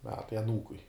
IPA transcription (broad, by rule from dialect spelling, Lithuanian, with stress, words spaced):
ˈmʲæːtɐɪ ɐˈnuːkʊɪ